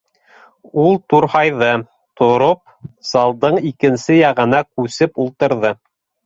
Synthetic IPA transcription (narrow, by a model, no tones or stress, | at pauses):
ulˠt̪uɾhɑjðɤ | t̪ʰŏɾop̚sɑlˠd̪ɤɴikɘ̆nsɘjɑʁɤ̆nɑkʉsɘpulˠt̪ɤ̆ɾðɤ